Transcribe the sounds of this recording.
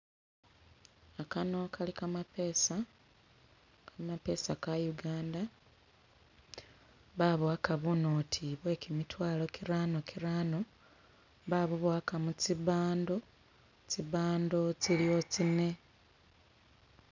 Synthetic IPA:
akano̞kʰalikamapeːsa | kamape̞sakajuɡaːnda | βaβwakaβunoːtʰiβwe̞ːkimitwaːlo̞kiɾaːno̞kʰiɾaːno̞ | βaβuβwaːkamut͡siβaːndo̞ | t͡siβaːndo̞t͡silijo̞t͡sine̞

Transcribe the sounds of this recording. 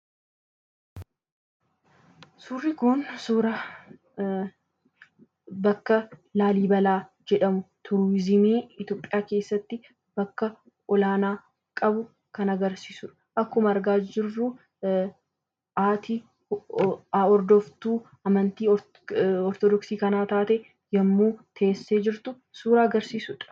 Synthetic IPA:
suːrːɪkʊnsuːɾɐ | bɐkːɐlaːliːbɐlaː | d͡ʒɛᶑɐmʊt̪ʰʊɾwɪzɪmeːɪt̪joːpʼːɪjaːke̞ːsːɐt̪ːɪ | b̥ɐkːɐ | ɔlaːnaː | kʼɐbʊ | kɐnɐɡɐɾsiːsʊᶑɐ̥ʔɐkːʊmɐɐɾɡaːd͡ʒɪrːʊ | ʔaːt̪i | ɔɾd̪ɔft̪uː | ɐmɐnt̪iː | ɔɾt̪ɔd̪ɔksiːkɐnaːt̪aːt̪ɛ | jɐmːuːt̪ʰeːsːeːd͡ʒɪɾt̪ʊ | suːɾaːɐɡɐɾsiːsʊᶑɐ̥

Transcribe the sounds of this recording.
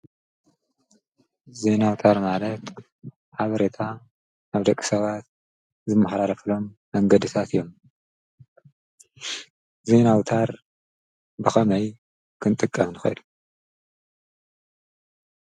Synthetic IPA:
ze̞nawt̪ʰaɾmalɐt̪ | ħaβɐɾe̞t̪ʰa | aβd̪ɐkʼːi̥sɐβat̪̚ | zɨmːɐħɾaɾɐflo̞mːɐŋɡɐd̪ɨt̪ʰat̪ʰɨjo̞m | ze̞nawt̪ʰaɾ | bɨxɐmɐj | kʰɨnt̪ʼɨkʼːɐmnɨxɐ̰jd̪u̥

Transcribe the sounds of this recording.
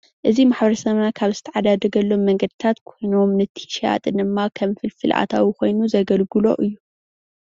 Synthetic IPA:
ʔɨzimaħbɐɾɐsɐmnakʰaβzɨ̥t̪ʰɐʕad̪ad̪ɐɡɐlːo̞mːɐŋɡɐd̪ɨt̪ʰat̪kʰojnomnɨt̪ʰi̥ʃa̰t̪ʼɨnɨmːakʰɐmfɨlfɨlʔa̰t̪ʰa̰wiko̞jnuzɐɡɐlɡɨlo̞̰ʔɨjːu

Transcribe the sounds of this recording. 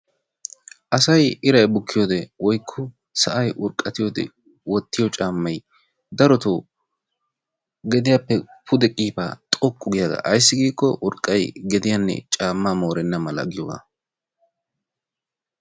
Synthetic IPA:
ʔɐsɐjɪɾɐjbʊkʰːɪjoːd̪ɛwɔjkʰːɔ | sɐʔɐjʔʊɾkʼːɐt̪ɪjoːd̪ɛ̰ | wɔt̪ːɪjɔt͡ʃʼaːmːɐj | d̪ɐɾɔt̪o | ɡɛd̪ɪjapːɛpʰʊd̪ɛkʼiːpa̰ːt̪ʼɔkʼːʊɡɪjaɡɐ̰ʔɐjs̬ːɪɡiːkːɔ̰ʔʊɾkʼːɐjɡɛd̪ɪjanːɛ̰t͡ʃʼaːmːaːmo̞ːɾɛnːɐmɐlɐ̰ɡɪjɔwa̰ː

